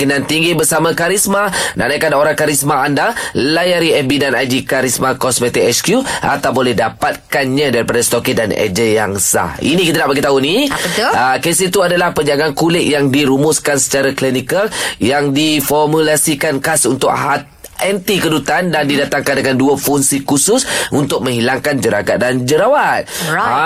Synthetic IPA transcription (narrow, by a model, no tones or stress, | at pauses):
kənãnt̪iŋɡibərsamãkaɾismanã̰ʔnajkanoɾaŋkaɾismaandalajaɾiɛbidanajd͡ʒikaɾismakɔsmɛt̪ikɛskjuʔa̰t̪awbolɛhdapat̪̚kanɲãdaɾipadast̪okidanɛ̰d͡ʒəjaŋsa̰hḭnĩkit̪anaʔbaɡit̪aɦunibət̪əkesɪit̪uadalahpəɲd͡ʒaɡankulɪk̚jaŋdiɾumʊskansə̥t͡ʃaɾaklinikaljaŋdifɔrmulasikankasunt̪ʊkɦat̪̚ | ʔɛnt̪ikədut̪andandidat̪aŋkandəŋanduəfuŋsikusʊsʔunt̪ʊk̚mə̃ŋɦilaŋkand͡ʒəɾaɡat̪̚dand͡ʒəɾawat̪̚